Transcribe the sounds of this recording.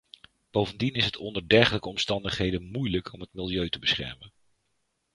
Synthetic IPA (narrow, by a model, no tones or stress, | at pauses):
b̥owvəndinɪsɦətʰɔndəɹdɛɹχələkəɔmstɑndəχɦejdənmujləkʰɔmɦətmɪlˠjøɥtəbəsχɛ̰ɹmən